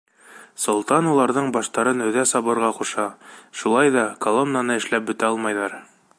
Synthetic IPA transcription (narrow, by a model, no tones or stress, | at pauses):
sŏlˠt̪ɑnulˠɑɾðɤɴbɑʃt̪ɑɾɤnɵ̆ðæsɑβɤ̆ɾʁɑquʃɑʃulˠɑjðɑkolˠo̞mnanɤɘ̆ʃlæp̚bɵ̆t̪æɒlˠmɑjðɑɾ